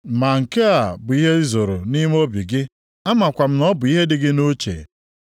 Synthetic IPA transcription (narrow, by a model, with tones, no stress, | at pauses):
ma˨ŋ̩˨ke˦a˨bʊ˨i˦ɦe˦zo˨ɾo˨ni˦m˦o˦bi˨ɡɪ˦ | a˦ma˨kʷa˨m̩˦nɔ˦bʊ˨i˦ɦe˦dɪ˦ɡɪ˦no˦t͡ʃḛ˨